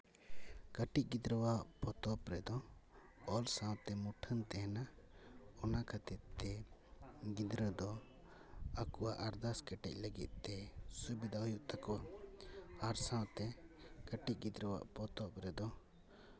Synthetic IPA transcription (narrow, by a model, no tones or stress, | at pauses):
kəʈic̚ɡid̪ɾəwaʔpʰɔt̪ɔpɾɛd̪ɔ | ɔlsãwt̪ɛmuʈʰənt̪ɛɦana | ɔnakʰat̪it̪ɛ | ɡid̪ɾəd̪ɔ | akuaʔaɾd̪askəʈɛ̰c̚ˀləɡḭt̪̚t̪ɛsubid̪ʱaɦujuʔt̪ʰakɔwa | aɾsãwt̪ɛkəʈiˀɡid̪ɾəwa̰ʔpɔt̪ɔpɾɛd̪ɔ